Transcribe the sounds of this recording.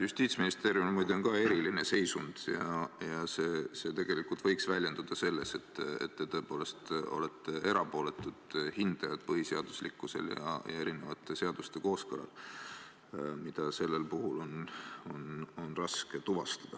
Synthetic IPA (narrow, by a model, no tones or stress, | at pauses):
just̪iːt̪sminist̪e̞ːɾjummujd̪̥eo̞nkɑe̞ɾiline̞se̞jsund̪̥jɑjɑse̞ːse̞t̪e̞ɡ̥e̞likult̪vɤjksvælʲje̞nd̪̥ud̪̥ɑse̞lːe̞se̞t̪ːḛt̪ːet̪o̞epo̞ːle̞st̪o̞̰let̪ˑːee̞ɾɑpo̞ːle̞t̪ːˑud̪̥hind̪̥ɑjɑd̪̥pɤɦise̞ɑd̪̥uslikːˑuse̞̰ljɑ̰jɑe̞ɾine̞vɑt̪ːˑe̞se̞ɑd̪ust̪e̞ko̞ːskɤlɑ̰l | mid̪̥ɑse̞lːelpuɦulo̞no̞no̞nrɑske̞t̪uvɑst̪ɑ̥d̪̥ɑ